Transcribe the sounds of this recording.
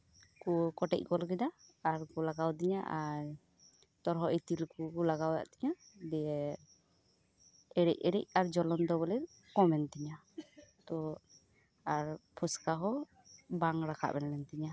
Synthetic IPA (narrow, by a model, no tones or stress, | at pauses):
kukɔʈɛ̰c̚ˀkɔlkɛd̪aːɾkɔlaɡawd̪iɲaʔaɾ | t̪ɔɾɦɔʔit̪ilkukɔlaɡawja̰ʔt̪ɛɲad̪ɛɛ | ɛɾɛ̰c̚ɛɾɛc̚aɾd͡ʒɔlɔnd̪ɔbɔlɛ | kɔmɛnt̪iɲa | t̪ɔ | aɾpʰɔskaɦɔ | baŋɾakʰa̰ʔbɛnlɛnt̪iɲa